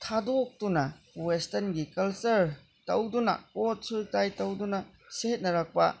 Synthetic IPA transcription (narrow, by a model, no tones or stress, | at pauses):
tʰadok̚tunɐwestɐnɡikɐlsɐɾ | tɐ̰wdunɐ̰kot̚sultajtɐwdunɐ | seet̚nɐɾɐk̚pɐ̰